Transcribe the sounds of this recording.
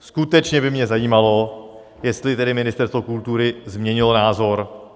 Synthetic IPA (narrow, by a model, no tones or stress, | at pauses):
skut̪ɛt͡ʃɲɛbɪmɲɛzajiːmalo̞ | jɛst̪lɪt̪ɛdɪmɪnɪst̪ɛɾst̪vokult̪uɾɪzmɲɛɲɪlonaːzo̞ɾ